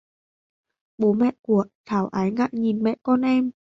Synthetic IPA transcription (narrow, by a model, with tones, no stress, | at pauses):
ɓoː˨˦mɛ˧˨ʔku˨˧˩ə˩ʔ̚t̪ʰaː˨˩˦wʔaː˨˦jŋaː˧˨ʔɲi˨˩nmɛ˧˥ʔkɔː˧˨nʔɛː˧˨m